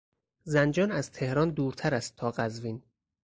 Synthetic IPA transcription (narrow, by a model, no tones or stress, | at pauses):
zænd͡ʒɒːnæz̥t̪ʰe̞hɾɒːnd̪uːɾt̪ʰæɾæst̪ʰɒːɢæzviːn